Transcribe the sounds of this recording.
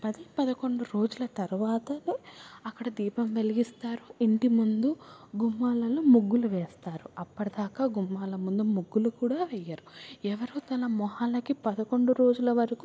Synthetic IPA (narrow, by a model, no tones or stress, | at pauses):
pɐd̪ipɐd̪ɐko̞ɳɖuɾo̞ːd͡ʒulɐt̪ɐɾuʋaːt̪ɐneɐkːɐɽɐd̪iːpɐmʋe̞liɡist̪aːɾuiɳʈimund̪uɡumːaːlɐlumuɡːuluʋɛːst̪aːɾuɐpːɐɽɐd̪aːkaːɡumːaːlɐmund̪umuɡːulukuːɽaːʋɛjːaːɾuɛʋɐɾut̪ɐnɐmɔɦaːlɐkipɐd̪ɐko̞ɳɖuɾo̞ːd͡ʒulɐʋɐɾɐku